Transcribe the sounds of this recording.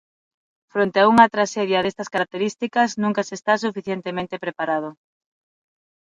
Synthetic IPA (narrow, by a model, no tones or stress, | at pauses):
fɾont̪eauŋɐt̪ɾaʃeðjaðest̪ɐskaɾak̚t̪eɾist̪ikɐznũŋkɐsest̪as̬ufiθjent̪emẽnt̪epɾepaɾað̞ʊ